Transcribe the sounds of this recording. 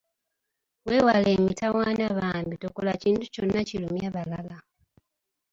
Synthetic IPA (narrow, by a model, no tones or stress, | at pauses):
we̞ːwaleːmitawaːnaβaːmbitokolaciːntuconːacilumjaβalala